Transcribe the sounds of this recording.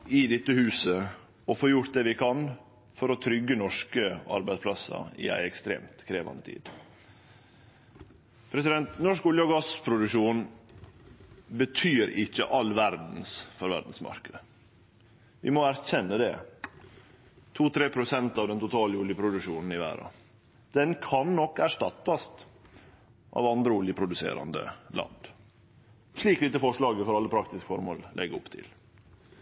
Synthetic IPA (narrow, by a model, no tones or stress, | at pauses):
ɪd̪ɪt̪ːəhʉːsə | ɔfoːɾjʊʈt̪̚d̪ɛːʋɪkʰɑn | fɔɾɔt̪ʰɾʏɡːənɔʂkəɑ̰ɾbæɪdspʰlɑsɑ̰ɪ̰æ̰ɪɛkst̪ɾḛːmt̪kʰɾeːʋɑ̰nd̪ət̪ʰḭːd̪ | pʰɾɛsɪd̪ɛnt̪nɔʂkʊljəɔɡɑspʰɾʊd̪ʉkʂuːn | bət̪ʰyːɾɪçːə̰ʔɑlːʋæɾd̪n̩sfɔɾʋæ̰ɖ̪n̩smɑ̰ɾkəd̪ə | ʋɪ̰mɔæɾçɛnːəd̪ɛ̰ | t̪ʰuːt̪ʰɾeːpʰɾʊsɛnt̪ɑːʋd̪ɛnt̪ʊt̪ʰɑːlʊljəpʰɾʊd̪ʉʂuːnn̩ɪʋæ̰ːɾɑ̰ | d̪̥ɛnkʰɑnːɔkːæʂʈɑt̪ːɑst̪ | ʔɑ̰ːʋɑnd̪ɾəʊljəpʰɾʊd̪ʉsḛːɾɑ̰nd̪ə̰lɑ̰nd̪ | ʂɭiːklɪt̪ːəfɔʂɭɑːɡəfɔɾɑlːəpʰɾɑkt̪ɪskfɔɾmoːllʔɛɡəʊpt̪ʰɪ̰l